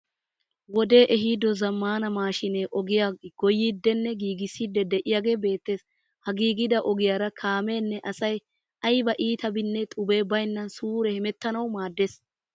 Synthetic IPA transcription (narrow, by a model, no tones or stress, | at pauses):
wɔd̪e̞ːʔɛɦiːd̪ɔzɐmːaːnɐmaːʃɪneʔɔɡɪjaɡ̥ɔjːid̪ːɛnːɛɡiːɡɪsːid̪ːɛd̪ɛʔɪjaːɡe̞ːbe̞ːt̪ːe̞ːs | hɐɡiːɡɪd̪ɐʔɔɡɪjaːɾɐkʰaːme̞ːnːɛʔɐsɐj | ɐjbɐʔiːt̪ɐbɪnːɛt̪ʼʊbe̞ːbɐjnːɐnsuːɾɛhɛmɛt̪ːɐnɐwmaːd̪ːeːs